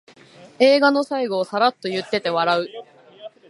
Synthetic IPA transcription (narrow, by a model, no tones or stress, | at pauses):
e̞ːɡano̞saiɡo̞ːsaɾat̪ːo̞jɯ̟t̪ːe̞t̪e̞βaɾaɯ̟